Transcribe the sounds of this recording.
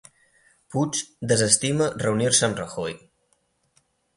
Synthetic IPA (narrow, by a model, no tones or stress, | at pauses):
put͡ʃd̪əzəst̪imərəuniɾsənrəxoj